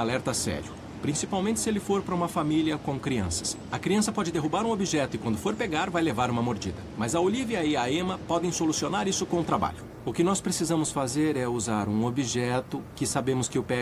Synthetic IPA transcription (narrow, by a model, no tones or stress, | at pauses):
alɛɾt̪ɐsɛ̰ɾjʊ | pɾĩsipawmẽnt͡ʃɪ̥sɪelɪfoɾpɾɐũmɐfamiliɐkõw̃kɾiɐ̰̃sɐ̥s | ɐkɾiɐ̃sɐpɔd͡ʒɪd̪eɦubaɾũobiʒɛt̪ʊɪkwɐ̃nd̪ʊfoɾpeɡaɾvajlevaɾũmɐmoɾd͡ʒḭd̪ɐmɐzɐoliviɐɪaẽmɐpɔd̪ẽj̃solusionaɾisʊkõũt̪ɾaba̰ʎʊ | ʊkɪnɔspɾesizɐ̃mʊsfazeɾɛuzaɾũobiʒɛt̪ʊkɪsabẽmʊskɪʊpɛ